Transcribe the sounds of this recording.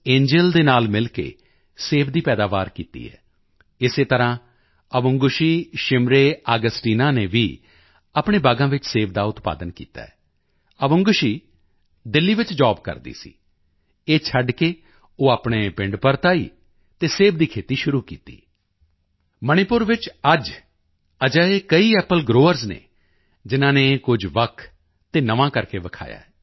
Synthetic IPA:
ẽːɲd͡ʒəld̪eːnaːlmɪlkḛː | seːʋd̪iːpɛːd̪aːʋaːɾkḭːt̪ḭːɦɛ̰ː | ɪseːt̪əɾãː | əʋʊŋɡʊʃiːʃɪmɾeːaːɡəsʈiːnaːneːʋḭː | apɳeːbaːɡãːʋɪt͡ʃseːʋd̪aːʊt̪pa̰ːd̪ənkḭːt̪a̰ːɛː | əʋʊ̃ŋɡʊʃiː | d̪ɪlːiːʋɪt͡ʃd͡ʒaːbkə̰ɾd̪ḭːsḭː | eːt͡ʃʰəɖkeː | oːaːpɳ̃eːpɪ̃ɳɖpəɾt̪aːiː | t̪eːseːbd̪iːkʰeːt̪iːʃʊɾuːkḭːt̪ḭː | məɽ̃ipʊɾʋɪt͡ʃəd͡ʒ | əd͡ʒaːeːkəiːɛːpəlɡɾoːəɾznḛː | d͡ʒɪnãːneːkʊd͡ʒʋəkʰ | t̪eːnəʋãːkəɾkeːʋəkʰa̰ːja̰ːɛ

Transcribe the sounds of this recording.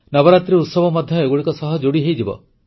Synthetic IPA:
nɔbɔɾat̪ɾeut̪sɔbʱɔmɔd̪ʱjɔeɡuɽikɔsɔɦɔd͡ʒoɽiɦejd͡ʒibɔ̰

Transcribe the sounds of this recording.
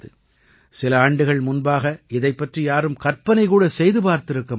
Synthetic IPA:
ðɯ | sɪlɐaːɳɖɯɣɐɭmʊnbaːɣɐɪðɐɪpːɐʈrijaːɾɯmkɐɾpɐnɐɪkuːɽɐsɛjðɯpaːɾt̪ɪɾɯkːɐ

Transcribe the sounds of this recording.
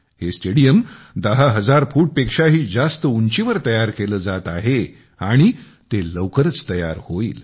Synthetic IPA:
hesʈeɽijəm | d̪əɦaɦəd͡zaɾfuːʈ̚pekʂaɦiːd͡zast̪əuɲt͡ɕiʋəɾt̪əjaɾkeləːd͡zat̪aɦe | aɽ̃i | t̪eləwkəɾət͡st̪əja̰ɾhoḭːl

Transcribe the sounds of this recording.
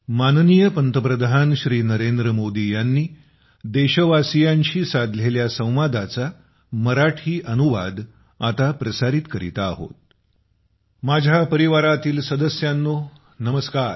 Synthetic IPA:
mannijəpənt̪əpɾəd̪ʱanɕɾiːnəɾend̪ɾəmod̪ijanːiː | d̪eɕəʋasijaɲt͡ɕiːsad̪ʱleljasə̃w̃ʋad̪at͡sa | məɾaʈʰiːʔənuʋa̰d̪ː | t̪apɾəsaɾit̪kəɾḭt̪aːɦo̰t̪ | mad͡ʑʱapəɾiʋaɾat̪iːlsəd̪əsjanːo | nəməskaːɾ

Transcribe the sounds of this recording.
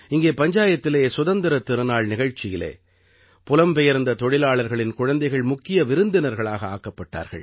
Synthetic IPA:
ɪŋɡeːpɐɲd͡ʒaːjɐt̪ːɪleːsʊðɐnd̪ɐɾɐt̪ːɪɾɯnaːɭnɪɣɐɻt͡ʃːɪjɪlḛː | pʊlɐmpɛjɐɾnd̪ɐt̪ɔɻɪlaːɭɐɾɣɐɭɪnkʊɻɐnd̪ɐɪɣɐɭmʊkːɪjɐʋɪɾɯnd̪ɪnɐɾɣɐɭaːɣɐa̰ːkːɐpːɐʈːa̰ːɾɣɐ̰ɭ

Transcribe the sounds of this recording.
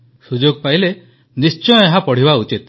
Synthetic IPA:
sud͡ʒoɡpaile | nist͡ʃɔjɔ̃eɦãpɔɽ̤ibaut͡ʃit̪

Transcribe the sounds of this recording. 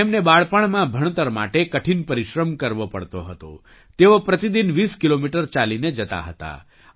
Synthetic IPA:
emnebaɭpəɳ̃mãbʱəɳ̃t̪əɾma̰ʈekəʈʰinpəɾiʃɾəmkəɾʋopəɭt̪oɦət̪o̰ | t̪eopɾət̪id̪inʋiskilomiʈəɾt͡ʃalined͡ʒət̪a̰ɦət̪a̰

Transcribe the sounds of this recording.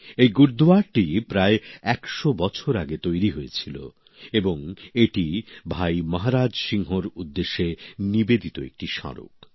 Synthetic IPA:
ejɡuɾd̪uaɾʈipɾaeɛkʃobɔt͡ɕʰoɾaɡet̪ojɾiɦojet͡ɕʰilo̰ | eboŋeʈibʱajmɔɦaɾad͡ʑʃiŋɦoɾud̪ːeʃːenibed̪it̪oḛk̚ʈiʃɔ̰ɾo̰k

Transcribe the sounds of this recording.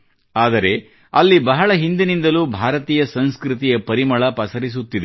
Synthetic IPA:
aːd̪ɐɾe̞ | ɐlːibɐɦɐɭɐɦind̪inind̪ɐluːbʱaːɾɐt̪iːjɐsɐnskɾit̪̬ijɐpɐɾimɐɭɐpɐsɐɾis̬ut̪ːid̪e

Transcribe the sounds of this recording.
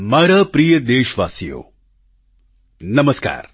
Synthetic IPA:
maːɾaːpɾiːjɐd̪eːʃʋa̰ːsijo̰ː | nɐmɐska̰ːɾ

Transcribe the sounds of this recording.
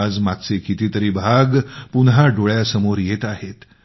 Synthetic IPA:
ad͡zmaɡ̚t͡sekit̪iːt̪əɾiːbʱaɡpunɦaɖoɭjasəmoɾjet̪aɦet̪

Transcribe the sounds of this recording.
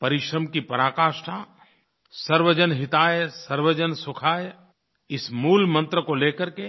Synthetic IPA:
pɐɾɪʃɾəmkipɐɾaːkaːʃʈa | sɐɾʋəd͡ʒənɦɪt̪aːjsəɾwəd͡ʒənsʊkʰaːj | ɪsmuːlmə̃nt̪ɾəkoleːkəɾke

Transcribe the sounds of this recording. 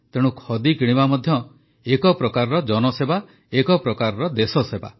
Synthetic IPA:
t̪eɽ̃ũkʰɔd̪ikiɽ̃ibamɔd̪ʱjɔ | ekɔpɾɔkaɾɔɾɔd͡ʒɔnɔseba | ekɔpɾɔkaɾɔɾɔd̪esɔseba̰

